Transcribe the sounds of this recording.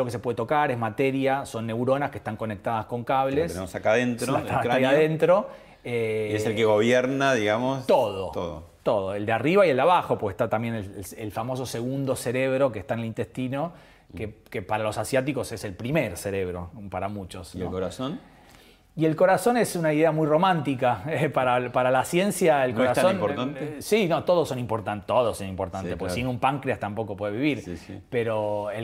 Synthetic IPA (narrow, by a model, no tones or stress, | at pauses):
lokes̬epweðet̪o̞kaɾezmat̪eɾjaso̞nːe̞wɾo̞naskeht̪aŋko̞nek̚t̪aðasko̞ŋkaβlesenemosakaðent̪ɾot̪aajaðent̪ɾo̞ | eeselkeɣo̞βjeɾnaðiɣamost̪oðot̪oðo̰t̪o̞ðoeld̪eariβaield̪aβaxopoɾkeht̪at̪amje̞neselfamo̞s̬ose̞ɣund̪o̞seɾeβɾo̞kest̪aenelint̪est̪ino̞ | kekepaɾalo̞sasjat̪iko̞se̞se̞lpɾimeɾseɾe̞β̞ɾo̞paɾamut͡ʃosnokoɾason | ie̞lko̞ɾaso̞nesunaiðeamujro̞mãnt̪ikaepaɾapaɾalasje̞nsjaelkoɾasonɾanesino̞t̪o̞ð̞osonĩmpoɾt̪ant̪oðosonĩmpoɾt̪anepoɾkesinũmpaŋkɾeast̪ampo̞kopwe̞ðeβiβiɾpeɾo̞e